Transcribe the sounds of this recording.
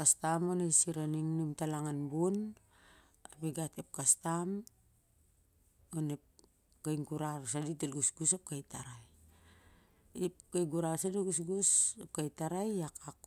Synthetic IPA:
kastamonajsiɾaniŋnumtalaŋanbun | apiɡatep̚kastam | onep̚ | kajŋɡuɾaɾsaditelɡusɡusap̚kajtaɾaj | ipkajɡuɾasadiɡus̬ɡusap̚kajtaɾajakʰak

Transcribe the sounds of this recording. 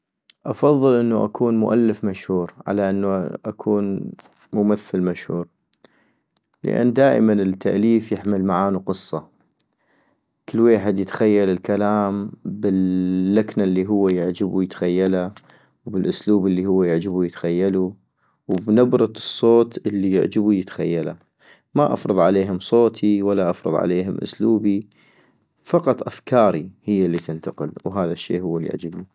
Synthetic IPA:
ʔɑfɑðˤːɨlʔɪnːuʔa̰kʰuːnmʊ̰ʔalːɪfmaʃhuːɾʕa̰laʔɪnːuʔakʰuːn | mʊmaθːalmaʃhuːɾ | lɪ̰ʔa̰nːd̪aːʔɪ̰manɪt̪ʰːaʔliːfjɪħmɪlmaʕaːnuqɨsˤːɑ | kɪlːweːħɪd̪jɪt̪xajːalɪlkalaːmbɪlːaknalːiɦʊwːajɪʕd͡ʒɪbujɪt̪xajːala | wbɪlʔʊsluːbəlːihʊwːajɪʕd͡ʒɪbujɪt̪xajːalu | wbnabɾɑt̪ɨsˤːoːt̪ʔɪlːijʊ̰ʕd͡ʒɪbujət̪xa̰jːala | maʔɑ̰fɾˤɨðˤʕaleːɦʊmsˤoːt̪ʰiwalːaʔɑfɾɨðˤʕa̰leːɦʊmʔʊ̰sluːbi | fɑqɑt̪ˤʔafkɑːɾihɪjːalːit̪ɪnt̪ɑqɪlwɦaːðaʃːḛːhʊwːaljɪ̰ʕd͡ʒɪbi

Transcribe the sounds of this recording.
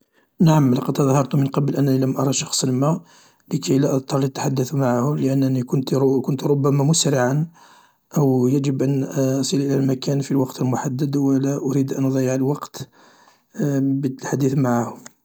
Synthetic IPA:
naʕamlɑqɑd̪ɑðˤhɑɾˤt̪umənqɑbəlʔænːæniləmʔɑɾˤɑʃɑ̥xsˤənmæ | ləkʰæjlæʔɑd̪ˤt̪ˤɑɾˤlit̪ːḁħad̪ːəθmaʕahʊləʔænːænikʊnt̪kʊnt̪ɾobːæmæmʊsɾəʕan | ʔəwjæʒəbʔænsˤəlʔəlælmækænfilwɑqt̪əlmʊħad̪ːəd̪wəlæʔʊɾid̪ʔænʔɑd̪ˤɑjːəʕəlwɑqt̪ | bət̪əlħad̪iθmaʕahʊm

